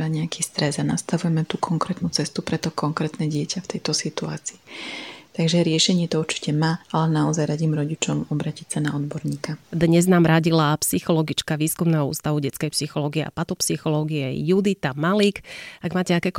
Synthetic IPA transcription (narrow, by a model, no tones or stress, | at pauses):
ɾaɲɛakʰiːst̪ɾɛzanast̪aʋujɛmɛt̪ukʰɔŋkɾɛːt̪nut͡sɛst̪upɾɛt̪ɔkɔŋkɾɛːt̪nɛɟɪɛcʰaft̪ɛjt̪ɔsit̪ua̰ːt͡siːt̪aɡʒɛɾɪɛʃɛɲɪɛt̪ɔuɾt͡ʃi̥cɛmaːalɛnaɔzajɾaɟiːmɾɔɟit͡ʃɔmɔbɾaːcisanaɔd̪bɔɾɲiːkad̪ɲɛznaːmɾaɟilapsixɔlɔɡit͡ʃkaʋiːskumnɛːɦɔṵːst̪aʋuɟɛt͡skɛjpsixɔlɔːɡiɛʔa̰pat̪ɔpsixɔlɔːɡiɛjud̪it̪amalikaɡmaːcɛakɛːk